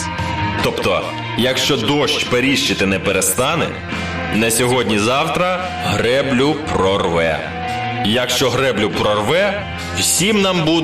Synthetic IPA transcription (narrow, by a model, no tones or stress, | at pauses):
t̪ɔpt̪ɔ | jɐkʃt͡ʃɔd̪ɔʃt͡ʃʲpeɾʲiʃt͡ʃɪt̪ɪnɛpeɾest̪ɑnɛ̰ | nɛsʲɔɦɔdʲnʲizɑwt̪ɾɐ | ɦɾɛblʲʊpɾɔrʋɛ̰ | jɐkʃt͡ʃɔɦɾɛblʲʊpɾɔrʋɛ | wsʲimnɑmbu